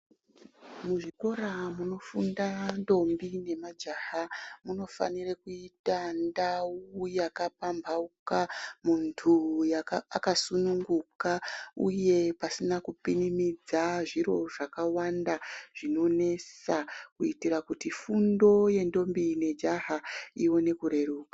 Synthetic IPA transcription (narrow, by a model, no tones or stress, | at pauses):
muʐiko̞ramuno̞fundando̞mbine̞mad͡ʒahamuno̞fa̰nirekuitandaujakapambʱaukamuntʰujaakasunuŋɡukaṵje̞pasinakupinimid͡zaʐiɾo̞ʐakawandaʐ̥ino̞ne̞sakuitiɾakutifundo̞je̞ndo̞mbine̞d͡ʒaɦaiwo̞ne̞kuɾe̞ɾuːkḁ